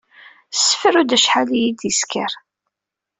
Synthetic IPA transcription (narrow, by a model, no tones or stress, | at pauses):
sːə̥fɾud̪æʃħalijid̪jiskəɾ